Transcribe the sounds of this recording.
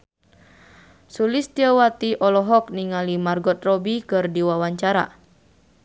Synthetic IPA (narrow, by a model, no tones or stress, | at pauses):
sulist̪iəwat̪iʔɔlɔɦɔk̚niŋalimarɡɔt̪̚rɔbikɨrdiwawaɲt͡ʃaɾa